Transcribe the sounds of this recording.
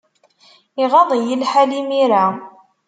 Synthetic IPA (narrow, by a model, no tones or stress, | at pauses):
iʁɑðˤjəlħalimiɾa